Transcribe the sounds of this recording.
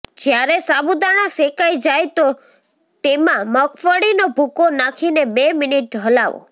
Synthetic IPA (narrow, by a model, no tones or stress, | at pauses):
d͡ʒjaɾesabud̪aɽ̃asekajd͡ʒajt̪o | t̪emãməkʰfəɽinobʱukonakʰinebeminiʈ̚ɖʱəlaʋo̰